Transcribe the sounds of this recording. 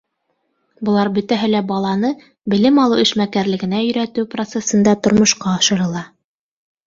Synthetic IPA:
bɤ̆lˠɑɾbɵ̆t̪æɦɘlæbɑlˠɑnɤ | bɘ̆lɘmɑlˠɤwɘ̆ʃmækæɾlɘ̆ɡɘ̆næɵ̆jɾæt̪ɘwprot̪sesɤ̆nd̪ɑt̪ŏɾmŏʃqɑɑʃɤ̆ɾɤ̆lˠɑ

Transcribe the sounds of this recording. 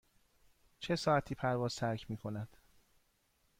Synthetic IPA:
t͡ʃʰe̞sɒːæt̪ʰiːpʰæɾvɒːz̥t̪ʰæɾcʰmiːkʰo̞næd̪̥

